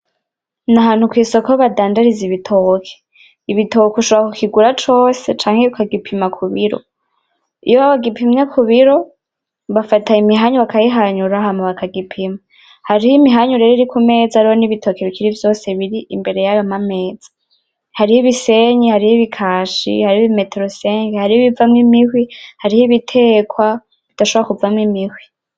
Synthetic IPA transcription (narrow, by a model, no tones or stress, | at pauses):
naɦaːnhukwiːso̞kaoβadaːndaɾiziβitʰokʰe̥ | iβito̞kuʃoβoɾakukiɡuɾat͡ʃo̞ːse̞t͡ʃaːŋheukaɡipʰimakʰuβiɾo̞̰ | ḭjoβaβaɡipimɲakʰuβiɾo̞ | βafataimiɦaɲuβakajiɦaɲuɾahamaβakaɡipʰima | haɾihimiɦaɲuɾeɾeiɾikume̞ːd͡zaɾiho̞niβitʰo̞keβikʰiɾivjo̞ːse̞βiɾiʔimbe̞ɾe̞jajomame̞ːd͡z̥ḁ | haɾihiβise̞ɲihaɾihiβikʰaːʃḭhaɾihiβime̞teɾose̞ːŋɡehaɾihiβivamŋimihwihaɾihiβitʰe̞ːkwa | βid̥aʃoβoɾakuvamŋimihwi